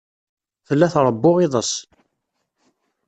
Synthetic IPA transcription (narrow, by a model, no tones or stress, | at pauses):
θəlːæθɾˤəbːʊʁiðˤəs